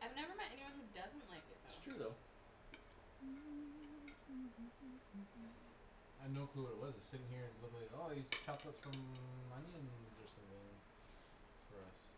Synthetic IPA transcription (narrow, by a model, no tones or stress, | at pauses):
ʔaɪvnɛvə˞mɛ̃ɾʔɛniwʌ̃nhʉdʌzɨ̃nʔlaɪkɪt̚sʰɹ̥ʉðoʊ | ãɪnoʊkʰl̥uwə˞ɨt̚wʌzɨ̥sɪɾɪ̃ŋhiɹɨ̃nlɪmleɪɾɾoʊiz̥t͡ʃʰɑp̚tʌpsʌ̃mːʌniɨ̃nðə˞sʌ̃mwɪ̃ŋ | fə˞ʌs